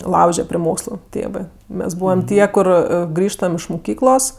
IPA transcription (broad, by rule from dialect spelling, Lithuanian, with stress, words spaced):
ˈlˠɐʊʒʲɛ pʲrʲɪ ˈmoːkslˠʊ ˈtʲeːʋɜ ˈmʲɛs ˈbuːʋɐm ˈtʲiɛ ˈkʊr ˈɡrʲiːʃtɐm ɪʃ mʊˈkʲiːklˠoːs